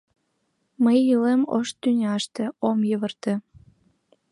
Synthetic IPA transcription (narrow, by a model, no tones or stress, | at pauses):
məjːɯlemo̰ʃt̪ynʲɑʃt̪ĕomjəβə̆rt̪ĕ